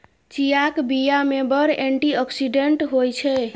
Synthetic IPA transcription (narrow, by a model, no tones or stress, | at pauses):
t͡ʃijakbijamebəɾeɳʈiɔksiɖeɳʈɦojt͡ʃʰɛ